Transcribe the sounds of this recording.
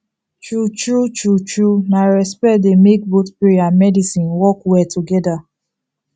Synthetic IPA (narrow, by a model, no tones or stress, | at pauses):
t͡ʃut͡ʃut͡ʃut͡ʃunaɹɛspɛdemek̚botpiɹiamɛdisĩnwɔkwɛtʰuɡɛda